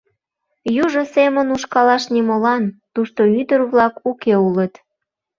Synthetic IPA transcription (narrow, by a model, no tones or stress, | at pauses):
juʒosemənuʃkɑlɑʃnimolɑnt̪uʃt̪oyd̪ərβlɑkukeulət̪